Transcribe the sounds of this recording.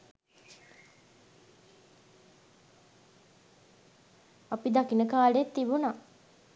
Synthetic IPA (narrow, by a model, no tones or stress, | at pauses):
apid̪akinəkaːleet̪ːibuna